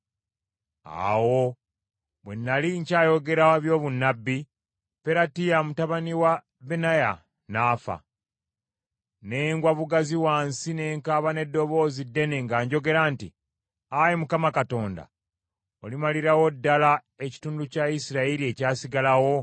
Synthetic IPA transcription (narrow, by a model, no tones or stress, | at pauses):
a̰wo̞ | βwe̞nːaliɲcaːjo̞ɡe̞ɾaβjo̞ːβunːabːi | peɾatijamutaβaniwa | βenaja | naːfa̰ | ne̞ŋɡwaβuɡaziwaːnsine̞ːŋkaːβane̞dːo̞βo̞ːzidːe̞ne̞ŋɡaːɲɟo̞ɡe̞ɾanti | ajimukamakato̞ːnda̰ | olimaliɾawo̞dːala | e̞ci̥tuːnducaisiɾailie̞caːsiɡalawo̞